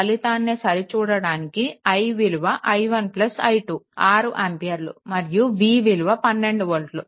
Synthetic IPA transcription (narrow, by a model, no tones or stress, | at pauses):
ɐlit̪aːnːeːsɐɾit͡ʃuːɽɐɽaːnikiɐjʋiluʋɐʔɐjʋɐnplɐsɐjʈuːaːɾuʔempijɐɾlṵmɐɾjuʋiːʋiluʋɐpɐnːe̞ɳɖuʋɐlʈlu